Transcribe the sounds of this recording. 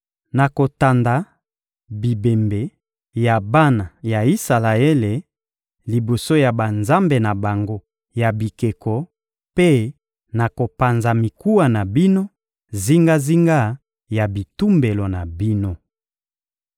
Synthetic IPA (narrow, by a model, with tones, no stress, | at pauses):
na˨ko˨ta˨nda˨ | bi˨be˨mbe˨ | ja˨ba˦na˨ja˨i˦sa˨la˨e˦le˨ | li˨bo˨so˦ja˨ba˨nza˦mbe˨na˨ba˨ŋɡo˦ | ja˨bi˨ke˨kɔ˨ | pe˦ | na˨ko˨pa˨nza˨mi˨ku˦wa˨na˨bi˦no˦ | zi˦ŋɡa˦zi˦ŋɡa˦ | ja˨bi˨tu˦mbe˨lo˨na˨bi˦no˦